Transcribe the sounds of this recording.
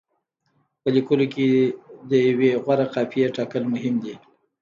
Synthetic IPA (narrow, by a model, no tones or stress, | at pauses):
pəlikəloked̪əjaweɣwaɾaqɑfijeʈɑkəlmʊɦɪmd̪i